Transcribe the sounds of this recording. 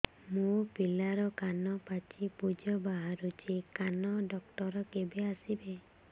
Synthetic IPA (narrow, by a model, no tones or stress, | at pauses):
mupilaɾɔkanɔpat͡ʃipud͡ʒɔbaɦaɾut͡ʃʰikanɔɖɔk̚ʈɔɾɔkebeasibe